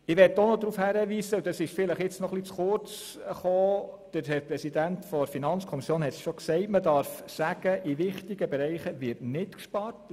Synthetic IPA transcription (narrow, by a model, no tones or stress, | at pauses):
ɪʋɛtːonod̪ɾuːfhæɾəʋiːsəud̥ɑsɪʃfɪləχɪt͡snɔχlit͡sχʊɾt͡s | χoːd̥əɾhɛɾprɛsidæntfɔfinɑnt͡skʰɔmisjoːnhɛtsʃɔksɛɪtmədɑɾfsæɡ̥əʔiʋɪχtiɡəbɛɾɛɪχəʋɪɾtnɪtkʃpɑrt